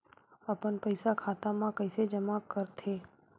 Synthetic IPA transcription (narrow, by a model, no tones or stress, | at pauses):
əpənpəɪsakʰaːt̪amãkəɪsed͡ʒəmakəɾt̪ʰeː